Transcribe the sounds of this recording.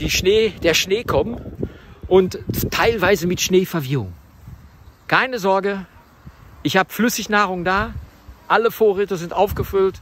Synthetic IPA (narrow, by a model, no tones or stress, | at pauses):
d̥iːʃneːd̥eːɐʃneːkʰɔmənʔʊnttʰːaɪlvaɪzəmɪtʃneːfɛɐviʊŋ | kʰaɪnəzɔɐɡə | ʔɪçhaːbəflʏsɪçnaːʁʊŋdaːʔaləfoːɐʁɛːtəzɪntʔaʊfɡ̥əfʏlt